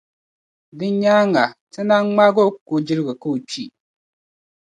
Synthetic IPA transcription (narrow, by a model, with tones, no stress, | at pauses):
dɨ˦ɲ˦ɲaː˦ŋa˨tɨ˦na˦ŋŋ͡ma˦ɡo˦ko˨d͡ʒɪ˦ɾɨ˦ɡɨ˨ka˦o˨t͡ʃi˦